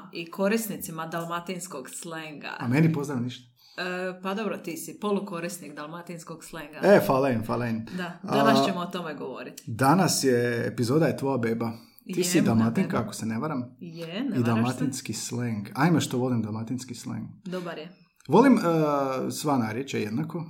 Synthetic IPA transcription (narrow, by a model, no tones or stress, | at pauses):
ikʰo̞ɾisnit̪simad̪alˠmat̪inskoɡsleŋɡa̰amenipo̞zd̪ɾaʋniʃt̪ḁ | pad̪o̞bɾot̪iːsipoluko̞ɾisnikd̪alˠmat̪inskoɡsleŋɡaefalˠaimfalaind̪ad̪anaʃt͡ɕemoot̪omeɡoʋo̰ɾit̪d̪anasjeḛpizo̞ːd̪ajet̪ʋojabeːba | iːsid̪almat̪iŋkaako̥seneʋaɾamjenid̪almat̪inskisleŋɡajimaʃt̪oʋo̞limd̪alˠmat̪inskislḛŋɡd̪obaɾje | ʋo̞liməsʋanaːɾjet͡ʃejed̪nako